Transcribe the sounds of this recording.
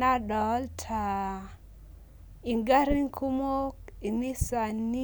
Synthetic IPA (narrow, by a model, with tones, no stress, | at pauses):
a˦dɔ˨˦ltʰa˨ | i˨ŋɡa˦ɾi˦ŋkʰu˦mo˦ki˨ni˦sa˨nːi˦